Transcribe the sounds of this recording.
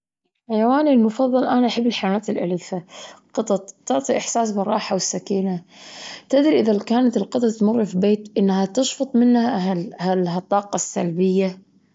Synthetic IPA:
ħajawaːnilmʊfɑðˤːɑlʔanaʔaħabːɪlħajawaːt̪ɪlʔa̰lɪfaqɨt̪ˤɑt̪ˤt̪ɑʕt̪ˤiʔɪħsaːs̬bɪɾˤːɑːħawɪsːakiːnat̪ɪd̪ɾiʔɪðakaːnat̪ɪlqɨt̪ˤɑt̪mʊrːfibeːt̪ʔɪnːhat̪ɑʃfɑt̪ˤmɪnːhaɦalhalɦat̪ˤːɑːqɑsːalbɪjːa

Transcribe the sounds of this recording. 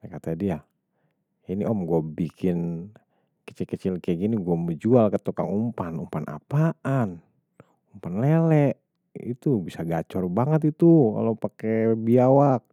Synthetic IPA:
akat̪adia | jiniʔɔmɡuabikʰɪn | kə̥t͡ʃilkət͡ʃilkəɡiniɡuaməd͡ʒualkət̪ukaŋumpanumpanʔa̰paʔan | umpanlelɛʔ | ḭt̪ubisaɡat͡ʃɔrbaŋət̪̬it̪uka̰lopakɛbiawak̚

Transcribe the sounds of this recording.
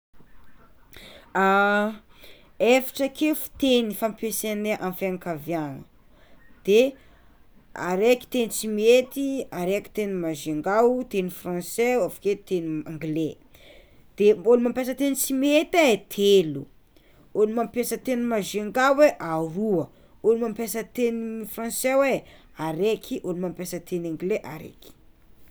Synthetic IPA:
a | efi̥ʈ͡ʂəkefu̥t̪enifampeseneʔãfaŋkavjanə | d̪̥e | a̰ɾeki̥t̪enit͡simet̪iaɾeki̥t̪enimaʒeŋɡawt̪enifrãnseafḁket̪eniãŋɡle | d̪̥eolimampʲjas̬ət̪enit͡simiet̪aet̪ʰelu | olimampjasət̪enimazeŋɡawweʔaruə | ulimampʲjasət̪enifrɑ̃nsewe | aɾekʰiʔolimampjasət̪ʰenãŋɡleʔaɾḛki̥

